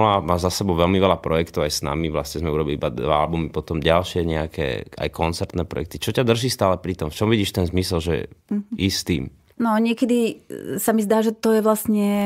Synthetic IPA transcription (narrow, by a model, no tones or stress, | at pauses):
lamaːzasɛbɔʊʋɛlmiʋɛlapɾɔjɛkt̪ɔʊajsna̰miʋlasɲɛzmɛuɾɔbiliibad̪ʋaa̰lbumipɔt̪ɔmɟalʃɪɛɲɛakʰɛ̰ːa̰jkɔnt͡sɛɾt̪nɛːpɾɔ̰jɛ̰k̚t̪it͡ʃɔcad̪r̩ʒiːst̪aːlɛpɾit̪ɔmft͡ʃɔmʋiɟiːʃt̪ɛnzmisɛlʒɛ̰ist̪ḭːm | nɔɲɪɛkɛd̪isamizd̪aːʒɛt̪ɔjɛʋlasɲɛ